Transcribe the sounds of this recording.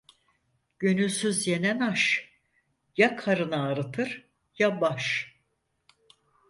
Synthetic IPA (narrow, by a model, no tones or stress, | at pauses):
ɟ̥ønylʲsyzje̞nænaʃ | jakʰaɾɯnaːɾɯt̪ʰɯɾ | jabaʃ